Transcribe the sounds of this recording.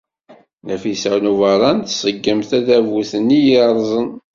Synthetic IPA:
næfisæwnuvɑɾˤɑnθsˤəɡːəmθæðævuθənːijəɾˤzˤən

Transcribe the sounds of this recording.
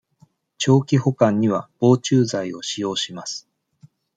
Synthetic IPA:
t͡ɕo̞ːkʲiho̞kãɲ̟ːiβab̥o̞ːt͡ɕɨːzaio̞ɕijo̞ːɕimasɨ̥

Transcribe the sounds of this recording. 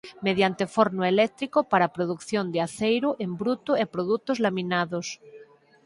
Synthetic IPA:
meðjant̪efoɾnoelɛk̚t̪ɾikopaɾapɾoð̞ukθjond̪eaθejɾoʔembɾut̪oepɾoðut̪ozlamĩnaðos

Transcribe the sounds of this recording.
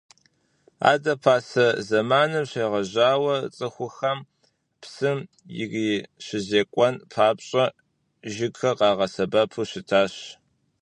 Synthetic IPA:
a̰ːdɐpʰaːsɐzɐmaːnɨmɕeːʁɐʑaːwɐt͡sʼɨxʷʊxɐm | psɨm | jɪ̰ʁiːɕɪzeːkʷʼɔnpʰaːpɕʼɐ | ʒɪɡxɐqɑːʁɐsɐbɐpʰuɕɪtʰaːɕ

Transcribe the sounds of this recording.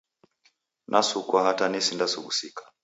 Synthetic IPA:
nʔasukwahatanisindasuɡusikḁ

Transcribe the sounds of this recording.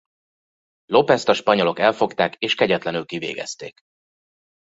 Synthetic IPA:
lo̞pɛst̪ɒʃpɒɲo̞lokɛlfo̞kt̪aːkeːʃkɛɟɛt̪lɛnylkivḛːɡɛ̰st̪ḛːk

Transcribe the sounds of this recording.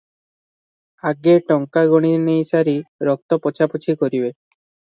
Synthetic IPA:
aɡeʈɔŋkaɡoɽ̃inejsaɾiɾɔk̚t̪ɔpɔt͡ʃʰapot͡ʃʰikoɾibe

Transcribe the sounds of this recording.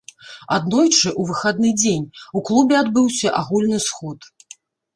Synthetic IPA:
a̰d̪nɔjt͡ʂɨʔuvɨxad̪nɨd͡zʲenʲuklˠubʲɛad̪bɨwsʲɐʔaɣulʲnɨsxɔt̪

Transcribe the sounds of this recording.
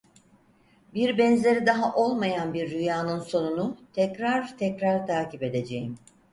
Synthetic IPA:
biɾbɛnzeɾid̪aɦaʔo̞lˠmajanbiɾːyjaːnɯnso̞nunut̪ʰɛcɾaɾt̪ʰɛcɾaɾt̪ʰaːcipe̞d̪e̞d͡ʒejim

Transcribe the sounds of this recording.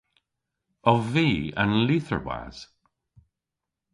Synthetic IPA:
ɔvviːə̰nliθə̰ɹwa̰z̥

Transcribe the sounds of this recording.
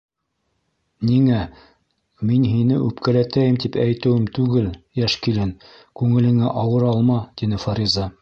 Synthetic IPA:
niŋæ | minɦinɘʔʉpkælæt̪æjɘmt̪ipæjt̪ɘ̆wɘmt̪ʉɡɘljæʃkilɘn | kʉŋɘ̆lɘ̆ŋæʔɑwɤɾɑlˠmɑt̪inɘfɑɾʲizɑ

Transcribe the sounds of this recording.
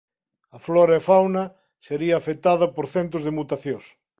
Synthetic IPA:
ɐflɔɾefawnɐ | seɾiɐːfet̪aðɐpoɾθent̪ʊzðemut̪aθjos

